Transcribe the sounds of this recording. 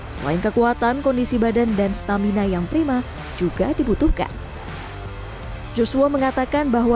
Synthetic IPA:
səla̰ɪnkəkuat̪ankɔndisibadandanst̪aminajaŋpɾima | d͡ʒuɡadibut̪uhka̰n | d͡ʒosuaməŋat̪akanbaɦwa

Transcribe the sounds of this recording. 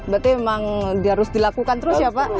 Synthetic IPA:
bərt̪iemaŋdiaɾʊsdilakukant̪əɾʊsjapa

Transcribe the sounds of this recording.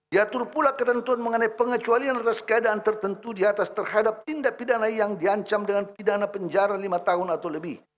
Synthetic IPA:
diat̪urpulakət̪ənt̪uanməŋənaipəŋət͡ʃualianat̪askəadaːnt̪ərt̪ənt̪udiat̪ast̪ərhadap̚t̪indaʔpidanajaŋdiaɲt͡ʃamdəŋanpidanapəɲd͡ʒaɾalimat̪aɦʊnat̪awləbɪh

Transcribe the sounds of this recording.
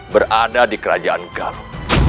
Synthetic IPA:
bəradadikəɾa̰d͡ʒaanɡal

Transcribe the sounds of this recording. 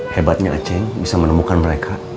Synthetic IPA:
hebat̪̚ɲaa̰t͡ʃɛŋbisamənəmukanməɾekʰa

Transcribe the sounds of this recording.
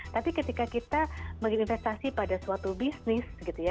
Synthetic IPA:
t̪apikət̪ikakit̪aməŋinfɛst̪asipadasuwat̪ubisnɪsɡit̪uja

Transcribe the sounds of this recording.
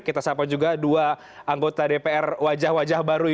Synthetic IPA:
kit̪asapad͡ʒuɡadua | aŋɡot̪adepeɛrwad͡ʒahwad͡ʒahbaɾu

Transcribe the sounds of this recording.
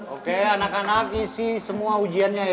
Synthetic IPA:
okeanakanak̚isihsəmuaud͡ʒianɲa

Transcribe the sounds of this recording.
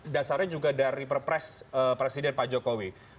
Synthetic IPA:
dasarɲad͡ʒuɡadaɾipərpɾɛsəpɾesidɛnpad͡ʒokowi

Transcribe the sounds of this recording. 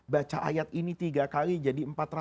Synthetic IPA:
bat͡ʃaʔa̰jat̪init̪iɡakalid͡ʒadiəmpat̪ra

